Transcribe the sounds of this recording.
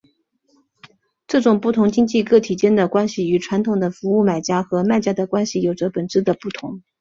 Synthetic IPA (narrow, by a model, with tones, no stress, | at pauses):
ʈ͡ʂɤ˥˩ʈ͡ʂʊ˨˩ŋpu˥˩t̪ʰʊ˧˥ŋt͡ɕi˥ŋt͡ɕi˥˧kɤ˥˩t̪ʰi˨˩t͡ɕjɛ˥nd̪ə˨˩kwa˥nɕi˨˩y˨˩ʈ͡ʂʰwa˧˥nt̪ʰʊ˨˩ŋd̪ə˦fu˧˥u˥˩ma˨˩ɪt͡ɕja˥xɤ˧˥ma˥˩ɪt͡ɕja˥d̪ə˨kwa˥nɕi˨jo˨˩ʊʈ͡ʂə˦˥pə˨˩nʈ͡ʂɻ̩˥d̪ə˨pu˥˩t̪ʰʊ˧˥ŋ